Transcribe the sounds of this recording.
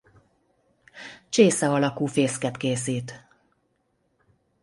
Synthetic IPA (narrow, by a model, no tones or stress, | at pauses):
t͡ʃeːsɛɒlɒkuːfeːskɛt̪keːsiːt̪